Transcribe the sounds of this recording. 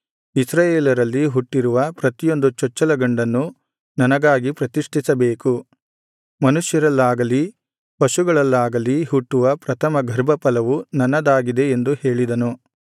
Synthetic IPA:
isɾɐjeːlɐɾɐlːiɦuʈːiɾuʋɐpɾɐt̪ijo̞nd̪ut͡ʃɔt͡ʃːɐlɐɡɐɳɖɐnːu | nɐnɐɡaːɡipɾɐt̪iʂʈʰisɐbeːku | mɐnuʂjɐɾɐlːaːɡɐli | pɐʃuɡɐɭɐlːaːɡɐlihuʈːuʋɐpɾɐt̪ʰɐmɐɡʱɐɾbɐpɐlɐʋunɐnːɐd̪aːɡid̪e̞end̪uhe̞ːɭid̪ɐnu

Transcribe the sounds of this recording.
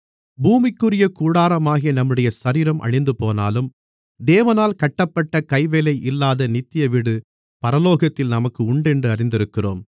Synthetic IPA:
buːmɪkːɯrɪjɐkuːɽaːɾɐmaːɣɪjɐnɐmːɯɽɐjɐsɐɾiːɾɐmʔɐ̰ɻɪnd̪ɯpoːna̰ːlɯm | d̪eːʋɐnaːlkɐʈːɐpːɐʈːɐkɐɪʋeːlɐɪʔɪlːaːðɐnɪt̪ːɪjɐʋɪɽɯ | pɐɾɐloːɣɐt̪ːɪlnɐmɐkːɯʊɳɖɛndrɯɐrɪnd̪ɪɾɯkːɪro̰ːm

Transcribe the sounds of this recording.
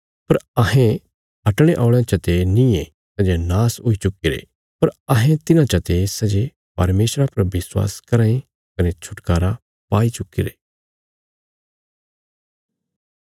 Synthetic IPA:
pɐɾɐɦẽ | ɐʈɽ̃eʔaːʊɽ̃ãt͡ʃɐt̪enĩe | sɛd͡ʒenaːsɦʊit͡ʃʊkiɾḛ | pɐɾɐɦẽt̪ɪnãt͡ʃɐt̪esɛd͡ʒe | pɐɾmeːsɾapɐɾbɪswa̰ːskɐɾãːĩ | kɐnet͡ʃʰʊʈkaːɾa | paːit͡ʃʊkḭɾe

